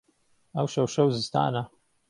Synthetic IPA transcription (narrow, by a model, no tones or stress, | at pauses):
ɐwʃɐwʃɐwzɨst̪ʰa̰ːnɐ